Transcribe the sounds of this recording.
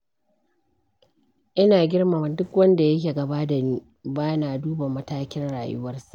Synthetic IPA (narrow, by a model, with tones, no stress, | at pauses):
ʔɪ˦naː˨ɡʲɪ˦rma˨m˨dʊ˦kwɐ˦nda˨jɐ˦k̬ʲeː˨ɡɐ˨baː˦da˨niː˦ | baː˦naː˨duː˦ba˨mɐ˦taː˦kʲɪ˦nɽa̰ː˨jʊ̰˦wɐ˦rsa˨ʔ